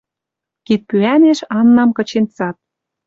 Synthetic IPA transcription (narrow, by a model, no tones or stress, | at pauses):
kit̪̚pyæneʃɑnːɑmkɤ̆t͡ɕent͡sɑt̪̚